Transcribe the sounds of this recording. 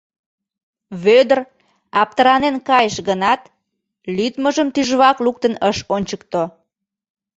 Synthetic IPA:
βød̪ər | ɑp̚t̪əɾɑnenkɑjəʃɣənɑt̪ | lyt̪məʒəmt̪yʒβɑkluk̚t̪ənəʃonʲt͡ɕək̚t̪o

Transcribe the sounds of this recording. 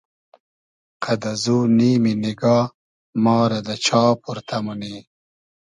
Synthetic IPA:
qʰɐd̪ɐzuːniːminiɡɑː | mɑːɾɐd̪ɐt͡ɕʰɑːpuɾt̪ʰɐmuniː

